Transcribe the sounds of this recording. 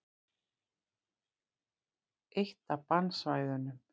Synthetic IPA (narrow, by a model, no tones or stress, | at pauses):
ejht̪apansvajðʏnʏm